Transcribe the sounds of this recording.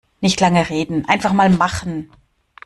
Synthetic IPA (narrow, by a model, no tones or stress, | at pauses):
nɪçtlaŋəʁeːdn̩ʔa̰ɪnfaχmaːlmaχn̩